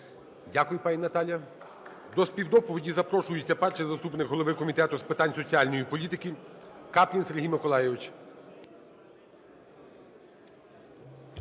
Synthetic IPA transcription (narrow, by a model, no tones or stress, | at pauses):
dʲakʊjʊpɑnʲinɐt̪ɑlʲjɐ | d̪ɔsʲpʲiwd̪ɔpɔʋʲidʲizɐpɾɔʃʊjʊt͡sʲːɐpɛrʃɛzɐst̪upnɪkɦɔlˠɔʋɪkɔmʲit̪ɛt̪ʊspɪt̪ɑnʲsɔt͡sʲiɑlʲnɔjipɔlʲit̪ɪkʲikɑplʲinseɾɦʲijmɪkɔlˠɑjɛʋɪt͡ʃ